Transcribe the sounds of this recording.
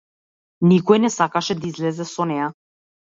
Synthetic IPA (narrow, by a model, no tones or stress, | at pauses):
nikɔjnɛsakaʃɛd̪aizlɛzɛsɔnɛja